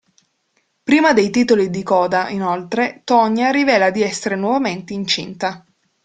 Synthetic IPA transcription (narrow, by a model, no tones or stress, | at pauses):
pɾiːmad̪ejt̪iːt̪olid̪ikɔːd̪aʔinolt̪ɾet̪ɔɲːaɾivɛːlad̪iɛsːeɾenwɔvament̪eint͡ʃḭnt̪a